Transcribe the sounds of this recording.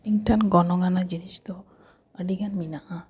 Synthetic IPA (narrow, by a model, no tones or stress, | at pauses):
iŋʈʰanɡɔnɔɡanad͡ʒinist̪ɔ | əɖiɡanminaʔa